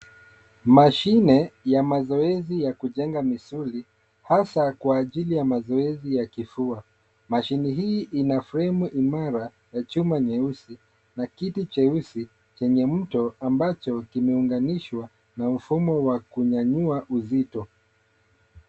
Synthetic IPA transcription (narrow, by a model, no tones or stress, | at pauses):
maʃinɛjamazɔɛzijakuʄɛŋɡamisuli | hasakwaːʄilijamazɔɛzijakifua | maʃinɛɦiːʔinafuɾɛmuʔimaɾa | jat͡ʃumaɲɛusi | nakitit͡ʃɛusi | t͡ʃɛɲɛm̩tɔambat͡ʃɔkimɛuŋɡaniʃwa | nam̩fumɔwakuɲaɲuaʔuzitɔ